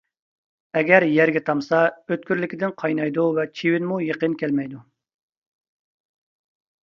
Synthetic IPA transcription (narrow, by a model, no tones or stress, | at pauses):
ɛɡʲɛɾjɛɾɡʲɛt̪ʰɑmsɑøt̪̚kʲyɾlɪkʲʰɪd̪ɪnqʰɑjnɑjd̪uvɛt͡ʃʰiwɪnmujeqənkʲʰælmɛjd̪u